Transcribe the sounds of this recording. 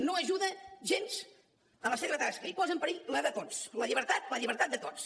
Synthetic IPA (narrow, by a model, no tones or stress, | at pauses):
noəʒuðəʒenz̥ | ələseβət̪askəipɔzəmpəɾiləðət̪osləʎiβəɾt̪at̪ləʎiβəɾt̪at̪d̪ət̪ot͡s